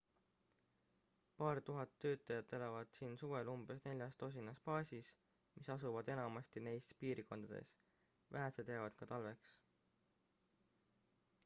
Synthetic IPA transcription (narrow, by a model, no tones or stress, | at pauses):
pɑːɾt̪uɦɑt̪ːø̞ːt̪ˑːɑjɑd̪ːe̞lɑvɑd̪̥siːnsuve̞lumb̥e̞sne̞lʲjɑst̪o̞s̬ʲinːɑspɑːsʲis | misɑsuvɑd̪e̞nɑmɑst̪ine̞jst̪piːɾko̞nd̪̥ɑd̪̥e̞̰s | vʔæɦæsed̪jɑvɑd̪̥kɑt̪ɑlve̞ks